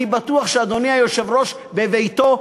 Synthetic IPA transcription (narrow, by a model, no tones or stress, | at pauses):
ibat̪uaχʃead̪o̞niajoʃevʁo̞ʃ | bevejt̪o̞